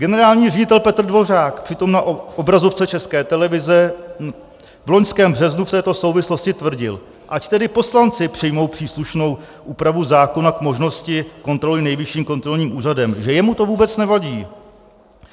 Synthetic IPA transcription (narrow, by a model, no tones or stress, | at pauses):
ɡɛnɛɾaːlɲiːrɛɟɪt̪ɛlpɛt̪r̩dvo̞r̝aːkpr̝̥ɪt̪o̞mnaʔʔobɾazo̞ft͡sɛt͡ʃɛskɛːt̪ɛlɛvɪzɛ | vlo̞ɲskɛːmbr̝ɛznuft̪ɛːt̪o̞so̞wvɪslo̞scɪt̪vr̩ɟɪ̰l | ʔact̪ɛdɪpo̞slant͡sɪpr̥ɪjmo̞wpr̝̥iːsluʃno̞w | ʔuːpɾavuzaːko̞nakmo̞ʒno̞scɪko̞nt̪ɾo̞lɪnɛjvɪʃiːmko̞nt̪ɾo̞lɲiːmʔuːradɛmʒɛjɛmut̪o̞vuːbɛt͡snɛvaɟiː